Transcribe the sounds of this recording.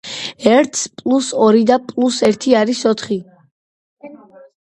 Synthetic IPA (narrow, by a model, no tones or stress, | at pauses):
ɛɾt̪ʰspʼlˠusɔɾid̪apʼlˠusɛɾt̪ʰiaɾisɔt̪ʰχi